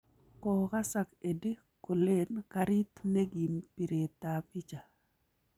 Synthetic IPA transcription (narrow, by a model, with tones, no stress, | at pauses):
ko˨ɣa˦sa˨ke˨di˦ | ko˨le˦nkaɾi˦t̪ne˦ɡi˨mpi˨ɾe˨t̪a˨pi˦t͡ʃa˨